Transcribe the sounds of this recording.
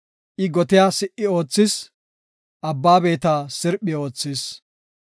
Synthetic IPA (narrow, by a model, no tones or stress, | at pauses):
ʔɪɡɔt̪ɪjaːsɪʔɪo̞ːt͡sːɪs | ʔɐbːaːbe̞ːt̪aːsɪɾpʼːɪo̞ːt͡sːɪs